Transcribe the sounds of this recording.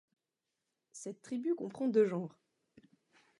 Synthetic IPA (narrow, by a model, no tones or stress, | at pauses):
sɛt̪ːχibykɔ̃pχɑ̃d̪øʒɑ̃ːʁ